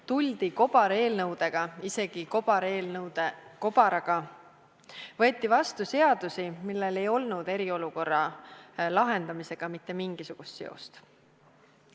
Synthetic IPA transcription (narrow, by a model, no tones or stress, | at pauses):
t̪ulʲd̪̥iko̞b̥ɑɾe̞ːlnɤwd̪̥e̞ɡ̥ɑise̞ɡ̥ikobɑɾeːlnɤwd̪eko̞bɑɾɑɡ̥ɑ | vɤ̞et̪ˑːivɑst̪use̞ɑd̪̥usimilːe̞le̞jo̞lnud̪̥e̞ɾio̞luko̞rːɑlɑɦe̞nd̪̥ɑmise̞ɡ̥ɑmit̪ˑːe̞miŋɡ̥isuɡ̥ust̪se̞o̞̰st̪